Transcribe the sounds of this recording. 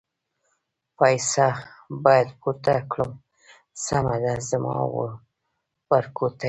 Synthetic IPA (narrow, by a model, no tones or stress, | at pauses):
pajsabɑjad̪put̪akɽəm | samad̪azamɑ̰wə̰ | waɾkot̪a